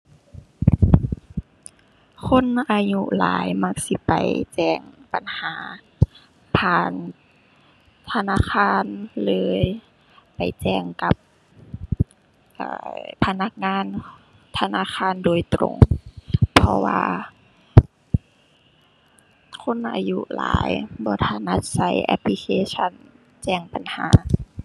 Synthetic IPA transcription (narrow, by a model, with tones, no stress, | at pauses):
kʰo˧˥˨nʔaː˧ɲu˧la̰ː˨˦jma˧k̚si˧˦pa̰˨jt͡ɕɛː˧˩ŋpa˨nhaː˨˦ | pʰaː˧˩n | t̪ʰa˧naː˧˥˨kʰaː˧˥˨nlɤː˧˥j | pa˨˩jt͡ɕɛː˧˩ŋka˧˦p̚ | ʔɤ̰ː˧˩pʰa˧na˧k̚ŋaː˧˥˨n | t̪ʰa˧naː˧˥˨xʰaː˧˥˨ndoː˨˩jt̪ɾo̰˧˩ŋ | pʰɔ˧wa̰ː˧ | kʰo˧˥˨nʔa̰ː˧jṵ˧la̰ː˨˦jbɔː˧˦t̪ʰa˧˩na˧t̪̚sa˧˩jʔa̰˧pʰli˧kʰeː˧˩t͡ɕʰa˧˨n | t͡ɕɛː˧˩ŋpa˨nha̰ː˩˦